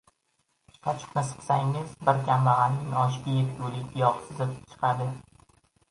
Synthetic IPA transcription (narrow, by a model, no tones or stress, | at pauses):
qʰat͡ʃʰɨ̥qnɪsɨ̥qsaŋɪzbɪɾkʲʰamlaʁɑnɪŋɒʃ̬kʲejɪpjulɪkʲʰɪjɒqsɪzɪp̚t͡ʃʰɨ̥qʰɑd̪ɪ